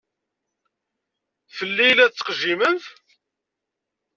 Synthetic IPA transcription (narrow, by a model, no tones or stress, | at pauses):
fəlːilːæt͡sːə̥qʒimənθ